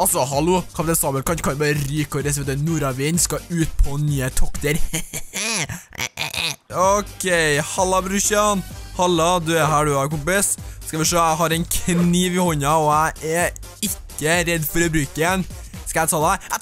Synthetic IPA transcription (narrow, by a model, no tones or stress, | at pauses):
ɑlsɔhɑluːkʰɑpt̪ɛnsɑːbəlkʰɑnkʰɑnbɑːɾəɾyːkɔɾɛset̪ənuːɾɑʋɪːnskɑʉːt̪̚pʰɔnyːət̪ʰɔkt̪əɾ | ɔkʰɛɪhɑlːɑbɾʉʃɑnhɑlːɑd̪ʉɛɦæːɖʉhɑɾkʊmpɪsskɑʋɪʂøːæɦɑɾɛɪnkʰniːʋɪhɔɲːɑɔæʔɛ | ɪkːəɾɛd̪ːfɔɾɔbɾʉːkəjɛn | skɑjæɪt̪ʰɑːd̪ɛææ